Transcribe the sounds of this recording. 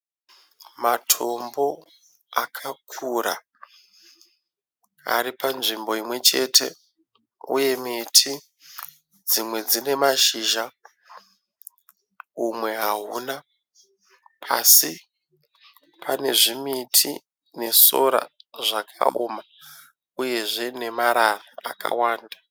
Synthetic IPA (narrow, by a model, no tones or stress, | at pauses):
matʰo̞mbo̞ | akʰakʰuɾa̰ | a̰ripanʐimbo̞imwe̞t͡ʃe̞tʰe̞̰ | ṵje̞mitʰi | d͡zimwe̞d͡zine̞maʃiːʒa | umwe̞ɦaɦuːna | pʰasi | pʰane̞ʐimitʰḭ | ne̞so̞̰ɾa̰ʐakʰa̰oːma | uje̞ʐe̞ne̞maɾaraaka̰waːnda